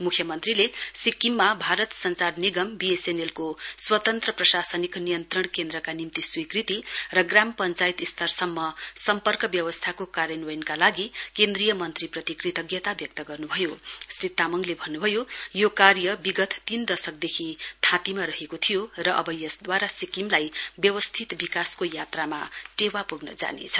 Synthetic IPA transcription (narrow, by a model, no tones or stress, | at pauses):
mukʰjʌmʌnt̪rilesikːimːabʱaɾʌt̪sʌnt͡sarniɡʌmbiesenelkoswʌt̪ʌnt̪rʌprʌsasʌniknijʌnt̪rʌɳkend̪ɾrʌkanimt̪iswikrit̪irʌɡrampʌnt͡sajit̪ist̪ʰʌrsʌmːʌsʌmpʌrkʌbjʌwʌst̪ʰakokaɾjʌnwʌjnkalaɡikend̪rijʌmʌnt̪riprʌt̪ikrit̪ʌɡjʌt̪abjʌk̚t̪ʌɡʌrnubʱʌjosrit̪ːamʌŋlebʱʌnːubʱʌjojokarjʌbiɡʌt̪t̪ind̪ʌsʌk̚d̪ekʰit̪ʰãt̪imaɾʌɦekot̪ʰijorʌʔʌ̰bʌjʌsd̪waɾasikimlajbjʌwʌst̪ʰit̪bikaskojat̪ramaʈewapuɡnʌ̰d͡za̰nḛt͡sʰʌ̥